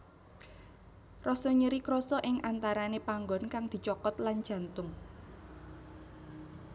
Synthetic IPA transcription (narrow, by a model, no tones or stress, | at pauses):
rɔsɔɲəɾikɾɔsɔʔɪŋʔant̪aɾanepaŋɡɔnkaŋd̪̥i̤t͡ʃɔkɔt̪land̥ʒ̥ä̤nt̪ʊŋ